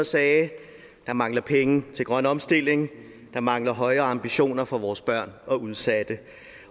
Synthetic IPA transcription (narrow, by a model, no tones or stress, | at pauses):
ɐsɛː | d̥ɑ̈mɑ̈ŋlɐpʰeŋət͡sʰe̝lɡ̥ʁɶnɒ̽msd̥e̝l̰eŋ | d̥ɑ̈mɑ̈ŋlɐɦɒ̽ɪɐːɑ̈mb̥iɕo̝̰ːnɐfɒ̽ʋɒːsb̥ɶɐ̰nɒ̽uðˠsæd̥ə